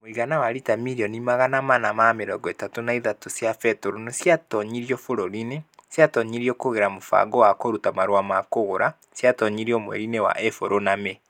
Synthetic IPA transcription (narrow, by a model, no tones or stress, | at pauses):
moiɣanawaɾitamiɾiɔnimaɣanamanamameɾɔɡɔetatonaiðatosjafɛtoɾonosjatɔɲiɾiɔfoɾoɾinesjatɔɲiɾiɔkoɣeɾamofa̰ɡɔwakoɾutamaɾowamakoɣoɾa | sjatɔɲiɾiɔmwɛ̰ɾinewa̰ʔɛfoɾoname